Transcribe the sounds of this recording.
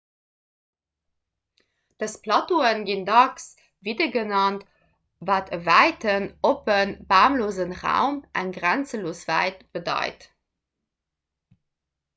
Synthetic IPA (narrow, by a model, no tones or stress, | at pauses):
d̥əspʰlɑtoənɡindɑks | viːdɐɡənɑnt | vaːtəvæɪtənopənbaːmloːzənʁa̰ʊmʔæ̰ŋɡʁænt͡sənloːsv̥æ̰ɪtb̥ədɑ̰ɪt